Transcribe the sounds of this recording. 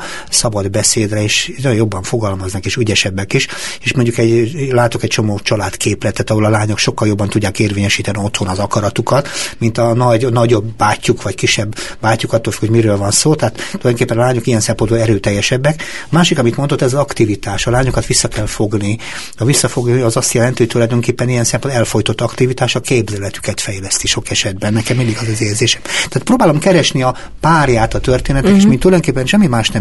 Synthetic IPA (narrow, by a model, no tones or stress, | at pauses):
sɒbɒd̪bɛseːd̪rɛeːʃnjojo̞bːɒɱfo̞ɡɒlmɒznɒkeːʃyɟɛʃɛbːɛkiʃeːʃmo̞ɲɟukɛɟlaːt̪okɛct͡ʃo̞moːt͡ʃɒlaːt̪kʰeːplɛt̪ːaːt̪ɒɦolɒlaːɲo̞kʃo̞kːɒljo̞bːɒnt̪uɟːaːkeːrveːɲɛʃiːt̪ɛnio̞t̪ho̞nɒzɒkɒɾɒt̪ukɒt̪mint̪ɒnɒɟnɒɟo̞bːaːcːukʋɒckiʃːɛbːaːcːukɒt̪ːoːlfy̥khomiɾøːlvɒnsoːt̪ɛɦat̪t̪oljd̪oŋkeːpːɛnɒlaːɲokijɛnsɛmpo̞nbolɛɾøːt̪ɛjːɛʃɛbːɛkɒmaːʃikɒmit̪mo̞nd̪o̞t̪ːɛzɒzɒkt̪ivit̪aːʃɒlaːɲokɒt̪ʋisːɒkɛlfo̞ɡni | ɒvisːɒfo̞ɡniɒzɒst̪jɛlɛnt̪iho̞ct̪ulɒjd̪o̞ŋkeːpːɛnijɛnsɛmpond̪ɛlfo̞jt̪ot̪ːɒkt̪ivit̪aːʃɒkeːbzɛlɛt̪y̥kɛt̪fɛjlɛst̪iʃo̞kɛʃɛd̪bɛnːɛkɛmind̪iɡɒzɛzeːzeːʃɛ̥mt̪ɛat̪pɾoːbaːlo̞mkɛɾɛʃniɒ | paːrjaːt̪ɒt̪ørt̪eːnɛt̪ɛkkeːʃmit̪ulɒjdoŋkepːɛnʃɛmːimaːʃnɛ